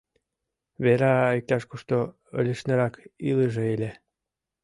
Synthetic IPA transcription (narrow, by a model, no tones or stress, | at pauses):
βeɾɑik̚t̪ɑʃkoʃt̪o | ə̰lʲəʃneɾɑkiləʒeelʲe